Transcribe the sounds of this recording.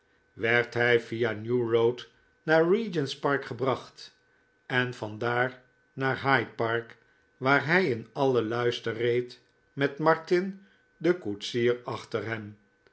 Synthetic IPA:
ʋɛɹtɦɛjvianjurowt | naːɹɹid͡ʒənspɑɹkχəbrɑχt | ɛnvɑndaːɹ | naːɹɦajpɑɹk | ʋaːɹɦɛjɪnɑləlœɥstərejt | mɛtmɑɹtɪn | dəkutsiːɹɑχtəɹɦɛm

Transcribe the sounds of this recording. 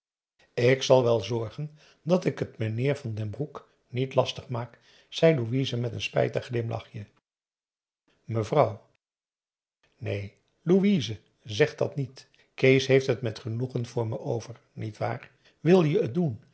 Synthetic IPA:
ɪksɑlˠʋɛlˠzɔɹχən | dɑtɪkətmənɪːɹvɑndɛnbruk | nitlɑstəχmaːk | sɛjluʋizəmɛtənspɛ̰jtəχlɪmlɑ̰χjə | məvrʌw | nḛj | luizə | zɛχd̥ɑtnit | kejsɦejftɦətmɛtχənuχənv̥ʊːɹməʔowvəɹ | nitʋa̰ːr | ʋɪlˠjəːt̚dun

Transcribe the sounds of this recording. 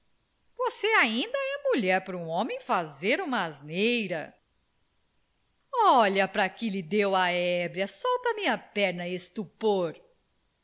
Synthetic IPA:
voseaĩnd̪ɐɛmuʎɛɾpɾũõmẽj̃fazeɾũmɐaznejɾɐ̰ | ɔʎɐpɾɐkɪlɪd̪ewɐɛbɾiɐsɔwt̪ɐmiɐpɛɾnɐest̪upoɾ

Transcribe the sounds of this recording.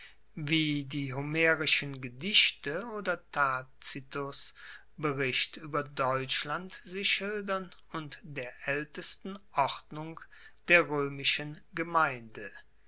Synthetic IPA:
viːdiːɦomeːʁɪʃənɡədɪʃtəoːdɐtʰat͡sitʊs | bəʁɪʃtʔyːbɐdɔʏt͡ʃlantz̥ɪʃɪldɐn | ʊntd̥eːɐʔɛltəstn̩ʔɔʁdnʊŋk | d̥eːɐʁøːmɪʃənɡəmaɪndə

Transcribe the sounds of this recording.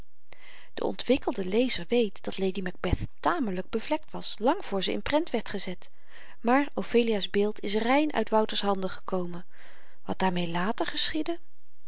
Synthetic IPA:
d̥ə̰ʔɔ̰ntʋɪkəlˠdəlejzəɹʋejtd̥ɑtlejdimɛɡ̚bɛθ | taːmələɡ̚bəvlɛk̚tʋɑslɑŋvʊːɹzəɪ̰nprɛntʋɛɹtχəzɛt | maːɹowfejliaːzbɪːlˠtʰɪs̬rɛjnʔœ̰ɥtʋʌwtəɹsɦɑndəχə̥kowmən | ʋɑt̚d̥aːɹmejlaːtəɹχəsχidə

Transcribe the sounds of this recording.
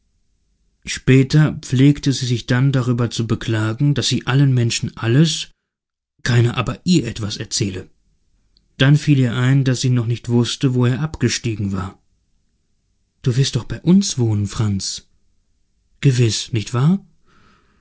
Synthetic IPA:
ʃpɛːtɐp͡fleːktəziːzɪçd̥andaʁ̞yːbɐt͡subəkʰl̥aːɡŋ̩d̥asz̥iːʔalənmɛnʃn̩ʔaləs | kʰaɪnəʔa̰ːbɐʔiːɐʔɛtv̥asɛɐt͡sɛːlə | d̥anfiːliːɐʔaɪndaszɪːnɔχnɪçtv̥ʊstəvoeːɐʔapɡ̥əʃtiːɡŋ̩vaːɐ | d̥uːvɪɐstd̥ɔχb̥aɪʔʊnsv̥oːnənfʁ̥ant͡s | ɡ̥əvɪsnɪçtv̥aːɐ

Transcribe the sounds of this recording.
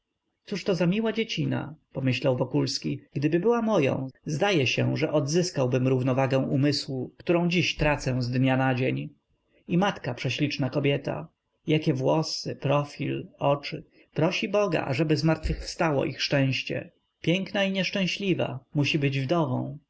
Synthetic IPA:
t̪suʂt̪ɔzamʲiwad͡ʑet͡ɕina̰pɔmɘɕlawvɔkulskʲiɡ̥d̪ɘbɘbɘwamɔjɔ̰̃w̃zd̪ajɛɕɛʐɛʔɔd̪zɘskawbɘmɾuvnɔvaɡɛ̃w̃umɘswukt̪uɾɔ̃w̃d͡ʑiɕt̪ɾat̪sɛzd̪ɲanad͡ʑeɲ | imat̪kapʂɛɕlʲit͡ʂnakɔbʲjɛt̪a̰ | jakʲɛvwɔsɘpɾɔfʲilɔt͡ʂɘ | pɾɔɕibɔɡa̰ʔa̰ʐɛbɘzmaɾt̪fɘxfst̪awɔ̰ʔixʂt͡ʂɛ̃w̃ɕt͡ɕɛ̰ | pʲjɛŋknaiɲɛʂt͡ʂɛ̃w̃ɕlʲiva̰muɕibɘd͡ʑvd̪ɔvɔ̰̃w̃

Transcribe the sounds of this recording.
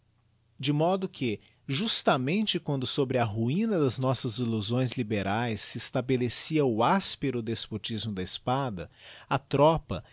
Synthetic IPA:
d͡ʒɪmɔd̪ʊkʰɪ | ʒust̪ɐmẽnt͡ʃɪkwɐ̃nd̪ʊsobɾɪɐɦuĩnɐd̪ɐznɔsɐziluzõj̃zlibeɾajsːɪest̪abelesiɐʊaspeɾʊd̪espot͡ʃizmʊd̪ɐispad̪ɐɐt̪ɾɔpɐ̰

